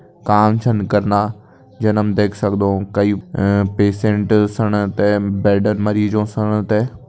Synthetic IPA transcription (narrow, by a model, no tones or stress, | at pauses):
kaːmt͡ʃʰɐnkɐɾna | d͡ʑɐnəmd̪eːkʰsɐkd̪okɐiːpeːsẽɳʈsɐɽ̃t̪ebɛːɾɖənmɐɾiːzõsɐɽ̃t̪e